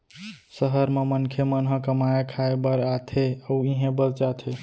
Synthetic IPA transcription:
səɦəɾmemənkʰemənɦə̃kəmaekʰaebəɾat̪ʰeəiɦẽbəɾd͡ʒat̪ʰe

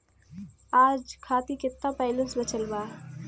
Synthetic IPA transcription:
aːd͡ʒkʰaːt̪ikɪt̪ːapaːɪlə̃nsbɐt͡ʃəlbaː

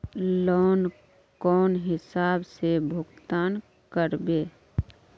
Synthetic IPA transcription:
lɔːn | kɔːnɦɪsaːbsebʱʊɡt̪aːn | kəɾbeː

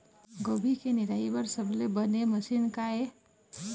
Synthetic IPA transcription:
ɡobʱikeniɾaibəɾsəbʱlebəneməsinkae

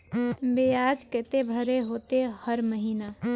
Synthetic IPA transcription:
bejad͡ʒket̪ebʱəɾeɦot̪ehəɾməɦiːna

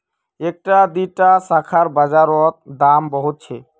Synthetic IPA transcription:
ek̚ʈad̪iʈasakʰaɾbad͡ʑaɾɔt̪̚d̪ambɔɦut̪̚t͡ɕʰe

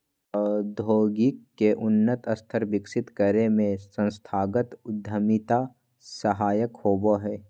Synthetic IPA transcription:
ɔd̪ʱoːɡɪkːeʔʊnːət̪əst̪ʰəɾbɪkʃɪt̪kəɾemẽsə̃nst̪ʰaːɡət̪ʊd̪ʱːəmɪt̪a | səɦaːjəkhoːboɦɛː

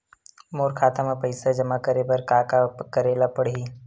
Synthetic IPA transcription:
moːɾkʰaːt̪amẽpəɪsad͡ʒɐmakəɾebɐɾkaːkakəɾeːlapəɽɦiː

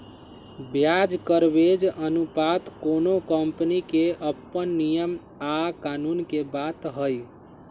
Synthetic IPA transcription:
bjad͡ʒkəɾbed͡ʒənupat̪konokəmpnikeʔəpːənːijəm | akanunkebat̪ɦəj

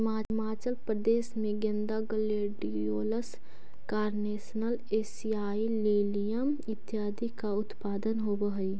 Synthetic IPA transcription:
ɪmaːmaːt͡ʃəlpɾəd̪eːsmẽɡẽnd̪aɡəleːɖi | oːləs | kaːɾneːsnəl | eːsiaːileːlijəm | ɪt̪jaːd̪ikaʊt̪paːd̪ənɦobəɦi

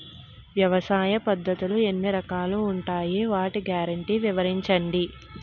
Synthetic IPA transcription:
ʋjɐʋɐsaːjɐpɐd̪ʱːɐt̪ulue̞nːiɾɐkaːluːɳʈaːjiʋaːʈiɡjaːɾɐɳʈiːʋiʋɐɾiɲt͡ʃɐɳɖi

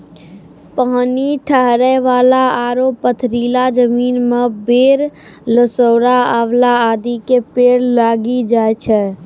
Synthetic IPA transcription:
paːniʈʰəɦɾəʋaːlaaːɾopət̪ʰɾiːlad͡ʒəmiːnmẽbeːɾ | ləsoːɾaəʋlaaːd̪ikepeːɾlaːɡid͡ʒaːet͡ʃʰɛː

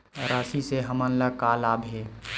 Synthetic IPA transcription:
ɾaːsiseɦəmənləkaːlaːbɦeː

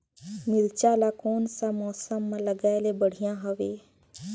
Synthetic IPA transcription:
mɪlt͡ʃaːlakoːnsamɔːsəmːãləɡaːelebəɽ̤ijãɦəʋeː

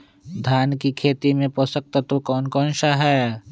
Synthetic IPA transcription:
d̪ʱjaːnkikʰeːt̪imẽpɔsək̚t̪ət̪okɔːnkɔːnʃaɦɛː

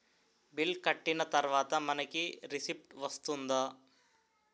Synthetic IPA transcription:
bilkɐʈːinɐt̪ɐɾʋaːt̪ɐmɐnɐkiɾisip̚ʈʋɐst̪und̪aː

